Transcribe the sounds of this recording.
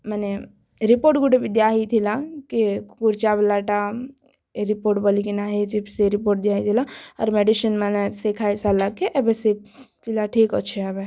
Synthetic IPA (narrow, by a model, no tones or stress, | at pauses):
mane | ɾipoɾʈ̚ɡuɖebid̪jaɦit̪ʰilakikuɾt͡ʃablaʈa | ɾipoːɾʈbəlikinaɦit̪ʰipseɾipoɾʈ̚d̪jaɦit̪ʰilaɔ̰ɾmeɖiʃənmanesekʰajsalakeʔɛbeset̪ilaʈʰikɔtːt͡ʃʰeɛbe